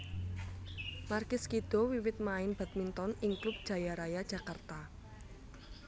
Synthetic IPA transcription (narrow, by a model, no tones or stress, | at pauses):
markɪskid̪̥ɔwiwɪt̪̚maɪnb̥a̤t̪̚mint̪ɔnɪŋklʊp̚d̥ʒ̥ä̤jaɾajad̥ʒ̥a̤kart̪a